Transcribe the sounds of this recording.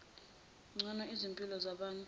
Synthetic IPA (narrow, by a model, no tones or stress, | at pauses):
ŋ͡ǀʱɔnɔizimpʼilɔzaɓaːntʼ